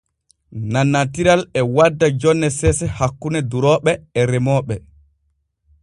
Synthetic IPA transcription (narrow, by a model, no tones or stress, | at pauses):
nanːatiɾalɛwadːad͡ʒɔnːɛsɛsɛhakːunɛduɾɔːɓɛɛɾɛmɔːɓɛ